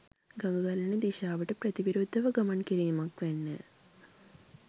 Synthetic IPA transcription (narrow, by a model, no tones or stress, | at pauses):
ɡɐŋɡɐɣɐlɐnɨd̪iɕaːʋiʈːɨprɐd̪iʋiɾoːd̪ʱːɐʋɐɡɐmɐɳkiɾijmɐkʋenːɨ̰